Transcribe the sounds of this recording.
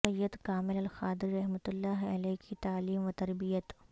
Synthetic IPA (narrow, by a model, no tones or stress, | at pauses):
ɐjːəd̪kaːmɪlɐlxaːd̪ɪɾiɾɐɦmət̪ʊlːaːɦɐ̰leːɦkit̪aːliːmʋɐt̪ɐɾbijət̪